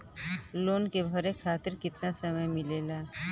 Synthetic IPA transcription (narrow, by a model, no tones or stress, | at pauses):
loːnkebʱəɾekʰaːt̪ɪɾkɪt̪nasəməjmɪleːlaː